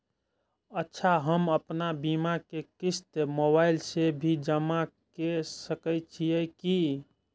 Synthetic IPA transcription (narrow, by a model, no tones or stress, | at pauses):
ətːʃʰaɦəməpnabimakekist̪moβailsebʱid͡ʒəmakesəkəjt͡ʃʰijəki